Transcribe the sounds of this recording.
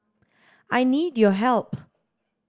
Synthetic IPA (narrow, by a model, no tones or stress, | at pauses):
ʔajnidjɔɦɛlp